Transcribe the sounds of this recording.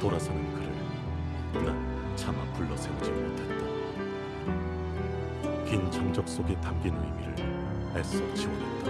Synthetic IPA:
toɾasʰʌnɯkɯɾɯ̰ɭ | na | t͡ɕʰamapuɭːʌsʰeud͡ʑimɾotʰat̚t͈a | kint͡ɕʰʌŋd͡ʑʌk̚s͈oɡe̞tap̚k͈innimiɾɯ̰ɭ | aɭs͈ʌt͡ɕʰiwonat͈a

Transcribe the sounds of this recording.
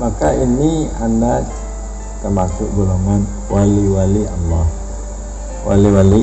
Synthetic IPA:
makainianda | t̪ərmasʊʔɡoloŋan | waliwalialːɔh | wʔa̰liwali

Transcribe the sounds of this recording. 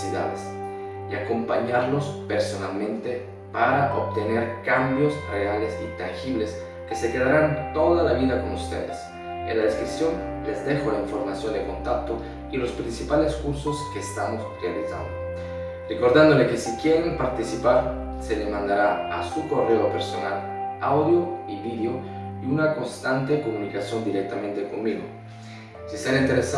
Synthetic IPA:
siða̰ðḛs | iako̞mpaɲaɾlospeɾsonalmẽnt̪e | paɾaʔop̚t̪eneɾkambjosrealesit̪aŋxiβles | kesekeðaɾant̪oðalaβiðakonust̪ḛðḛs | ḛnlːaðeskɾisjonlezd̪exolaiɱfoɾmasjond̪ekont̪ak̚t̪o | ilospɾinsipaleskuɾsoskeːst̪amosrealisa̰nd̪o | reko̞ɾðand̪olekesikjeɾempaɾt̪isipaɾ | selemãnd̪aɾaa̰suko̞reopeɾso̰nal | awðjoiβiðeoiunako̞nst̪ant̪ekomunikasjo̞nd̪iɾek̚t̪amẽnt̪eko̞nmiɣo̰ | siseɾaint̪eɾesa

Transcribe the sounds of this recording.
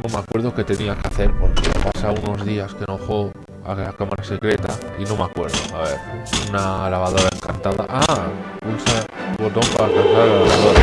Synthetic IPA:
no̞meakwe̞ɾðoke̞t̪e̞niakeaθe̞ɾpo̞ɾkepasauno̞zðiaskenoxo̞ | a̰lakamaɾase̞kɾe̞t̪a̰ino̞meakwe̞̰ɾðoaβe̞ɾunalaβaðo̞ɾaeŋka̰nt̪aða̰ʔakulsaβo̞t̪o̞mpaɾakaθaɾalalaβaðo̞ɾa

